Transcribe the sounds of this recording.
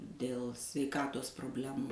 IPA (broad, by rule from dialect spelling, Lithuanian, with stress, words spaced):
dʲeːlˠ sʲʋʲɛɪˈkɑːtoːs proːbʲˈlʲæːmʊ